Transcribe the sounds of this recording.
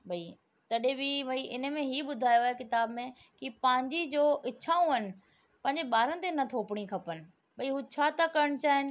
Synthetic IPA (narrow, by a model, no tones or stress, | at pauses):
bʱɐi | t̪ɐɗẽbʱiʋɐiʔɪnə̆mẽɦiːɓʊd̪ʱaːjoaːɦekɪt̪aːbmẽ | kipɐ̃ːɦɪ̃ɲd͡ʑid͡ʑoːʔɪːʃʰaːũɦɐnɪ̆ | pɐ̃ɦɪ̃ɲ̆d͡ʑeɓaːɾənɪ̆t̪enɐt̪ʰoːpɪɽ̃ikʰɐpənɪ̆ | bʱɐiɦut͡ɕʰaːt̪akɐɾəɽ̃t͡ɕaːɦɪnɪ̆